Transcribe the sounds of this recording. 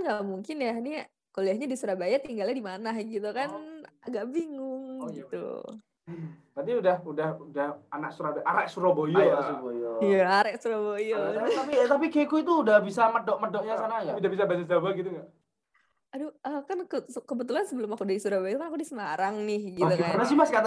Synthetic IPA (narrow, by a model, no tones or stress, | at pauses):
ŋɡaʔmuŋkɪnjani | koliahɲadisuɾabajat̪iŋɡalɲadimanahɡit̪ukanaɡaʔbiŋʊŋɡit̪ṵ | t̪at̪iudahudahudahanak̚suɾabaʔaɾɛʔsuɾobojɔasubojojaːɾɛʔsuɾobojoapit̪ap̬ikekuit̪̬uːdahbisamədɔʔmədɔʔɲasanaidaʔbisabasasd͡ʒabaɡit̪uŋɡaʔ | aduəkankəskəbət̪ulansəbəlʊmakudaisuɾabajaʔt̪ukanakudisəmaɾaŋnɪhɡit̪ukanasimaskat̪